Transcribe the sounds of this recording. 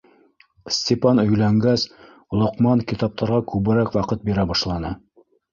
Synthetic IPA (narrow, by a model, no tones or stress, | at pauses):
sʲt̪ʲepɑnɵ̆jlæŋɡæs | lˠŏqmɑŋkit̪ɑp̚t̪ʰɑɾʁɑkʉβɘ̆ɾækwɑqɤt̪̚biɾæbɑʃlˠɑnɤ